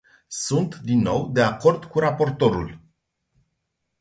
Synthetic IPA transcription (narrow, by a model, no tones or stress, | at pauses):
sunt̪d̪inːo̞wd̪e̞ako̞rd̪kuɾapo̞rt̪o̞ɾul